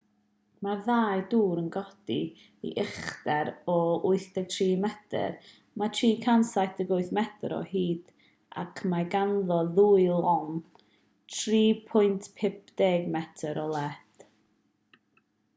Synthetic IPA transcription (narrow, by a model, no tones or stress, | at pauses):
marðaːjduːɾənɡɔd̥i | ḭʔɪχdɛɾɔʊɨθdɛɡ̚tʰriːmɛdə̰r | matʰriːkʰansajtʰəɡʊɨθmɛtʰɾɔ̰hiːd̥ | a̰kʰmaɡanðɔðuɨlˠɔŋ | tʰriːpʰʊɨntʰpʰɪp̚ʰd̥eːɡmɛtʰəɾɔlˠɛd̥